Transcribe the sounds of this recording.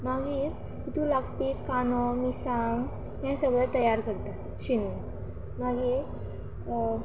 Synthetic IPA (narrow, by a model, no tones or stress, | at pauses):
maɡiːɾ | kit̪ulakpiːkanɔmisaŋɡ | ɦjãsəɡɭət̪əjaɾkəɾt̪at̪ | ɕinu | maɡiːɾ